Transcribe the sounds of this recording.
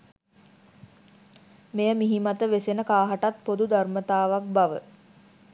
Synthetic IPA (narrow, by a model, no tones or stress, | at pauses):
mejəmiɦimat̪əʋesenəkaːɦaʈat̪̚pod̪ud̪armət̪aːʋak̚baʋə̰